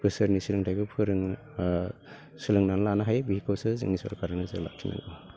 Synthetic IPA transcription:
pʰɯsɯɾnisilɯŋtʰajbɯpʰɯɾɯŋ | sɯlɯŋnanlanaɦajbihikʰawsɯza̰ŋisɔ̰ɾkʰaɾanɯzɯlak̚tʰina̰ɡɔ

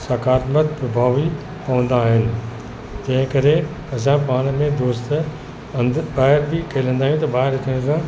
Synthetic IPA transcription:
saːkaːɾlət̪pɾɐbʱaːʋi | pɐʋə̃nd̪aːɦɪnɪ̆ | t̪ɐ̃ɦɪ̃kɐɾe | ɐs̬ãpaːɽ̃mẽd̪oːst̪ | baːɦɪɾbɪkʰeːlə̃nd̪aːɦjũt̪ɐbaːɦɪɾɐk̪ʰɪɽ̃sã

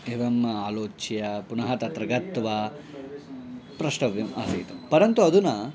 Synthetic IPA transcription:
eʋɐmːɐaːloːt͡ʃjɐpunɐɦɐt̪ɐt̪ɾɐɡɐt̪ːʋɐ | pɾɐʂʈɐʋimaːsḭjt̪ɐmpɐɾɐnt̪uɐd̪unɐ

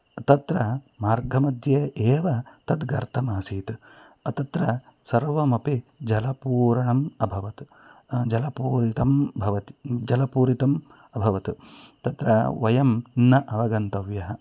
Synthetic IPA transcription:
ɐt̪ɐt̪ɾɐ | maːɾɡʱɐmɐd̪jɐeːʋɐt̪ɐt̪ɡɐɾt̪ʰɐmaːsiːt̪ | ɐt̪ɐt̪ɾɐ | sɐɾʋɐmɐpid͡ʒɐlɐpuːɾɐɳɐmɐbʱɐʋɐt̪ | d͡ʒɐlɐpuːɾit̪ɐmbʱɐʋɐt̪i̥d͡ʒɐlɐpuːɾit̪ɐm | ɐbʱɐʋɐt̪t̪ɐt̪ɾɐ̰ʋɐjɐmnɐʔɐʋɐɡɐnt̪ɐʋjɐɦɐ̆

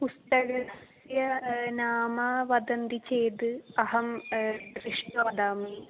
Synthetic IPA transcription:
pust̪ɐɣɐs | jɐnaːmɐʋɐd̪ɐnd̪it͡ɕeːd̪ɨɐɦɐm | riʂʈɐʋɐd̪aːmi

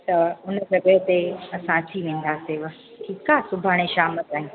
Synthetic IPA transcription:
t̪ɐʊnə̆sɐɡʱəɦt̪eɐsãt̪ʰiʋẽːn̆d̪aːseʋɐ | ʈʰiːkaːsʊbʱaːɽ̃eʃaːmɐt̪aːɦĩ

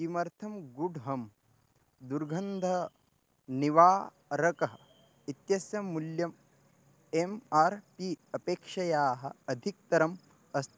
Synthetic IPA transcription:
imɐɾt̪ʰɐmɡuɖɦɐm | d̪uɾɡʱɐnd̪ʱɐ | niʋaː | ɾɐkɐɦɐ | it̪jɐsjɐmːuljɐm | emaːɾpiɐpeːkʂɐjaːɦɐ̰ɐd̪ʱik̚t̪ɐɾɐm | ɐst̪ʰ

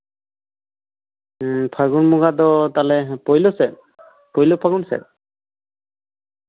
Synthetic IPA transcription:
pʰaɡunmuɡad̪ɔt̪alɛpɔjlosɛ | pɔjlopʰaɡunsɛ̰

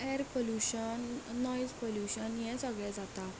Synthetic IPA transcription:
ɛɾpoljuɕənːɔjd͡zpoljuɕənjɛ̃səɡɭɛ̃d͡zat̪a

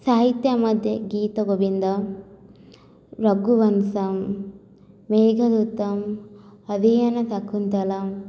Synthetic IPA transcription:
saːɦit̪jɐmɐd̪ʱjeɡiːt̪ɐɡobind̪ɐ | ɾɐɡuʋɐnsɐmː | eːɡʱɐd̪ut̪ːɐmɐd̪ijɐnɐt̪ɐkʰːunt̪ɐlɐm

